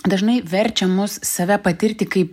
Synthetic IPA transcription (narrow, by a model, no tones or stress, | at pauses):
d̪ɐʒnɐɪʋʲɛɾʲt͡ʃʲɛmʊssɐʋʲæpɐt̪ʲɪɾʲt̪ʲɪkɐɪp